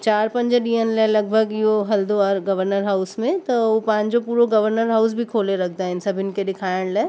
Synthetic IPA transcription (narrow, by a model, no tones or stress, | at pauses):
t͡ɕaːɾpɐ̃ɲd͡ʑɗĩːɦənɪlaːlɐɡ̚bʱəɡɪɦoɦɐld̪oɐɾɡɐʋəɾnəɾɦaʊsmẽt̪ɐopãːɲd͡ʑopuːɾoɡɐʋəɾnəɾɦaʊs̬bʱikʰoːleɾɐkʰd̪aɦɪnɪ̆sɐbʱɪn̆keɗɪkʰaːɪɽ̃laːɪ